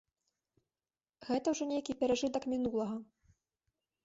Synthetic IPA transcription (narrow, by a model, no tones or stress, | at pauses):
ɣɛt̪ɐwʐɔnʲejkʲipʲɛɾaʐɨt̪ɐkmʲinulˠɐɣɐ